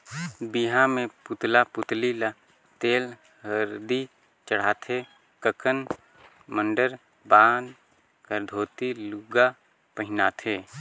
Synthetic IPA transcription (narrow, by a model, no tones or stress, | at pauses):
biɦãmẽpʊt̪lapʊt̪lila | t̪eːl | ɦəɾd̪i | t͡ʃəɽ̤aːt̪ʰe | kəkən | mə̃ɳɖəɾ | bãːnd̪ | kəɾd̪ʱoːt̪iluɡa | pəɦɪnaːt̪ʰeː